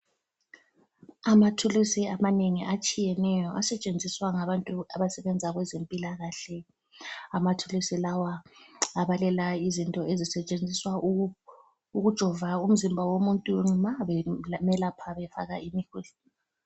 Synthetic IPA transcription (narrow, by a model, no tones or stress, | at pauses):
amatʰulusiamaneŋiʔat͡ʃʼijɛnɛjɔʔasɛt͡ʃʼend͡zʱiswaŋaβantʼuaβasɛβɛnd͡zʱaɣwɛzempʼilaɣaɬɛ | amatʰulusilawaaβalɛlaizintʼɔʔezisɛt͡ʃʼend͡zʱiswa | uɣud̥ʒ̥ʱɔvaum̩zimbʱawomuntʼuŋ͡ǀimaβɛmɛlapʰaβɛfa̰ɣaʔimixulu